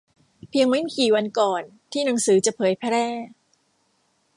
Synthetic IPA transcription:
pʰi˧əŋma˦˥m˥˩kiː˨˩wa˧nkɔː˨˩n | t̪ʰiː˥˩na˩˦ŋsɯː˩˦t͡ɕa˨˩pʰɤː˨˩˦jpʰɛ˧˥ɾɛː˥˩

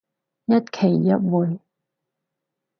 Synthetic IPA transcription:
jɐ˦˥t̚kʰe˨˩jːɐ˦˥t̚wu˨j

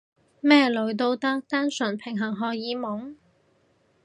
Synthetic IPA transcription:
mɛː˥˩lɵ˨˧ɥt̪o˧wt̪ɐ˥k̚t̪aː˥nsɵ˨˩npʰɪ˨˩ŋɦɐ˨˩ŋɦɔː˨jiː˨˧mʊ˨˥ŋ

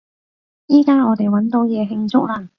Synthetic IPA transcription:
jiː˥kaː˥ŋɔː˨˧t̪e˨jwɐ˨˥nt̪o˨˥wjɛː˨˧ɦɪ˧ŋt͡sʊ˥k̚laː˧

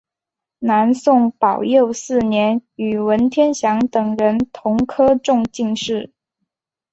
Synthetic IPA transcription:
na˧˥nsʊ˥˩ŋpɑ˨˩ʊjo˥˧ʊsɹ̩˥˩njɛ˧˥ny˨˩wə˧˥nt̪ʰjɛ˥nɕjɑ˧˥ŋt̪ɤ˨˩ŋɻə˧˥nt̪ʰʊ˧˥ŋkʰɤ˥ʈ͡ʂʊ˥˧ŋt͡ɕi˥˧ŋʂɻ̩˥˩

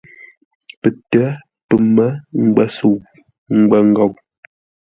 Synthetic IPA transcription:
pə˨tə˦ | pə˨mə˦ŋ̩˦ɡ͡bə˦su˦˨w | ŋ̩˦ɡ͡bə˦ŋ˦ɡɔ˦˨w

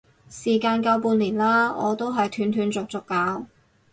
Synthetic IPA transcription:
siː˨˩kaː˧nkɐ˧wpuː˧nliː˨˩nlaː˥ɔ̰ː˨˧t̪o˥wɦɐ˨jt̪ʰyː˨˧nt̪ʰyː˨˧nt͡sʊ˨k̚t͡sʊ˨kːaː˨˧˥w

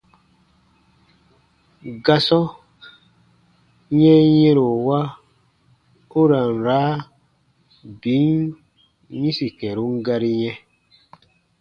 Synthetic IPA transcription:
ɡa˦sɔ˦ | ɲɛ̃˦jɛ̃˦ɾo˨wa˦ | u˦ɾa˨n˨ɾa˨˦ | bi˨˦n | ɲĩ˦si˨kɛ˨ɾu˦ŋ˦ɡa˧ɾi˦ɲɛ̃˦

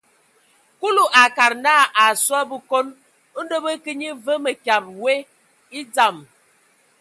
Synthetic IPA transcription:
ku˦lu˨ʔa˨ka˨ɾna˦˨ʔa˨swa˦bə˦ko˦n˦ | n̩˦də˦bə˦kə˦ɲi˦və˦mə˨kja˨p̚we˦ | i˦d͡za˦˨m

